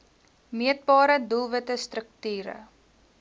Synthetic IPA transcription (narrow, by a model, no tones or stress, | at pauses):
miət̚bɑːɾədulˠvətəstrək̚tyːɾə̰